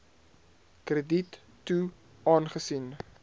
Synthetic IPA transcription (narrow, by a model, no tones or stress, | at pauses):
krəditː | u | ɑːnχəsin